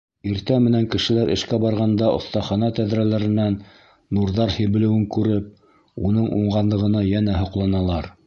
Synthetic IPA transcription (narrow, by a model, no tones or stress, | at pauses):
iɾt̪æmɘ̆næŋkɘ̆ʃɘ̆læɾʔɘ̆ʃkæbɑɾʁɑnd̪ɑʔŏ̰θt̪ɑχɑnɑt̪æðɾælæɾɘ̆nænː | uɾðɑɾhĭβɘ̆lɘ̆wɘŋkʉɾɘp̚ | unɤɴʔuɴʁɑnlˠɤ̆ʁɤ̆nɑjænæɦŏqlˠɑnɑlˠɑɾ